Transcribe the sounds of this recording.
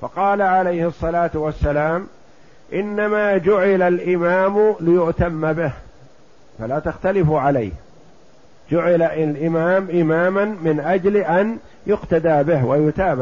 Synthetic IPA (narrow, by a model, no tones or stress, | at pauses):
fɑqɑːlaʕalajhɨsˤːɑlaːt̪wasːalaːm | ʔɪnːamaːd͡ʒʊʕɪlalʔɪmaːmlɪjʊʔt̪amːabɪh | falaːt̪axt̪alɪfʕalajh | d͡ʒʊʕɪlaʔlʔɪmaːmʔɪmaːmanmɪnʔad͡ʒlʔan | jʊqt̪ad̪aːbɪɦwajʊt̪aːbɪ